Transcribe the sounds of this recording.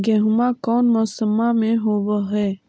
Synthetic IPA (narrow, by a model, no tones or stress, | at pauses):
ɡeɦʊmãːkɔːnmɔːsəmãːmẽɦoːʋəɦɛː